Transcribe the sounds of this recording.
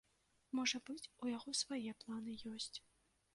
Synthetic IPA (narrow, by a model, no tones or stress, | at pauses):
mɔʐɐbɨt͡sʲujaɣɔsvajɛplˠanɨjɔsʲt͡sʲ